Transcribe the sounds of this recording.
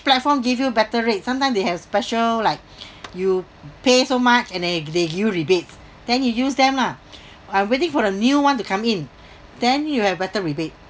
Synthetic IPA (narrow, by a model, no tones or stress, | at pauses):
plɛt̚fɔmɡivjubɛtəɹet̚sãmtãɪmsdehɛvspɛʃəllaɪk̚ju | pesomat͡ʃɛ̃ndɛdeɡivjuɹibets | d̥ɛ̃njujusdɛ̃mla | ãɪ̃mwetɪ̃ŋfɔdənjuwãntukʰãmĩn | d̥ɛ̃njuhɛvbɛtəɹibet̚